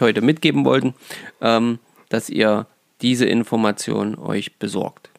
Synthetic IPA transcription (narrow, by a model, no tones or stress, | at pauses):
hɔʏtəmɪtɡ̥eːbm̩vɔ̰ltn̩ʔɛːm | d̥asʔḭːɐ | d̥iːzəʔɪ̰nfɔɐmat͡sjo̰ːnənʔɔ̰ʏçb̥əzɔ̰ɐkt